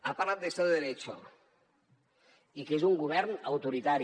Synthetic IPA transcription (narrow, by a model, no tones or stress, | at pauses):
aparlat̪̚d̪esewðeɾet͡ʃo̰ | ikezuŋɡuβ̞ɛɾnawt̪uɾit̪aɾ